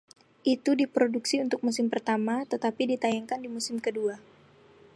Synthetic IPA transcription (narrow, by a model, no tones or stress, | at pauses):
ʔit̪udipɾoduksiunt̪ʊk̚mus̬ɪmpərt̪amat̪ət̪apidit̪ajaŋkandimusɪmkədua